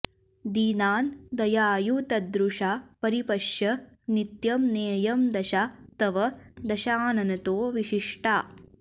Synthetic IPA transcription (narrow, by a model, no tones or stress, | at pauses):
d̪iːnaːnd̪ɐjaːjut̪ɐd̪ɾuʂapɐɾipɐʂjɐ | nit̪jɐmneːjɐmd̪ɐʃat̪ɐʋɐd̪ɐʃaːnɐnɐt̪oːʋiʃiʂʈaː